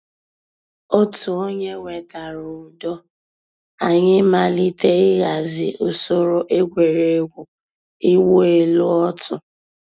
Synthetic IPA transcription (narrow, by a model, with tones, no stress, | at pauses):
o˦tʊ˨o˦ɲe˦wʷe˨ta˨ɾʊ˨dɔ˦ | a˨ɲɪ˦ma˨li˦te˦ɪ˦ɣa˨zɪ˨ʊ˨so˦ɾo˦ʔe˦ɡʷe˨ɾe˨˦ɡʷu˨ | i˦wo˦e˨lʊ˦ɔ˦tʰʊ˨